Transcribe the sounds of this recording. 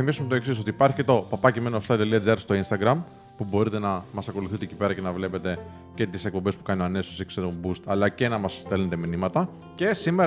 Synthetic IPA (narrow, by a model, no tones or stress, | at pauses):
imisumet̪o̞e̞ksis̬o̞t̪iipɐɾçiet̪o̞pɐpɐcemenost̪ɐt̪eliɐd͡zɐɾst̪o̞inst̪ɐɡɾɐm | pubo̞ɾit̪e̞nɐmɐsɐko̞luθit̪ecipe̞ɾɐce̞nɐvle̞pe̞t̪e̞ | ce̞t̪ise̞k̚po̞mbespu̥kɐnioɐne̞sosekseðombust̪ɐlɐcenɐmɐst̪elnet̪e̞minimɐt̪ɐ | ce̞simeɾ